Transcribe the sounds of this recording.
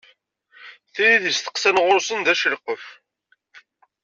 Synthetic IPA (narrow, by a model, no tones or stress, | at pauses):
θiɾiðisθə̥qsænʁʊɾsənðæʃəlqəf